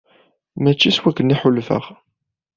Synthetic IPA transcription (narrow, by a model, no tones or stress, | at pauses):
mæt͡ʃːiswækːənːiħʊlːfə̰ʁ